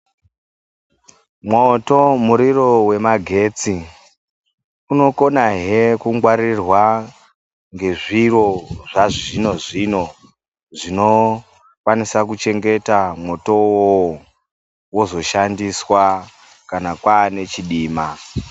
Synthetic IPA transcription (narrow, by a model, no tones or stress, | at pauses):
mwoto̞muɾiro̞we̞maɡʱe̞t͡si | uno̞ko̞naɦekuŋɡwaɾirwa | ŋɡe̞ʐiro̞ʐaʐino̞ʐino̞ | ʐino̞ | kwanisakut͡ʃe̞ŋɡe̞tamwo̞to̞wo | wozo̞ʃandiswa | kanakwaːne̞t͡ʃiɗiːma